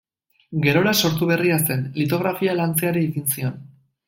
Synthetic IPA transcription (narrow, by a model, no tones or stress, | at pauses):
ɡe̞ɾo̞ɾaso̞ɾt̪uβ̞e̞riase̞nlit̪o̞ɣ̞ɾafialant͡se̞aɾiːɣinsio̞n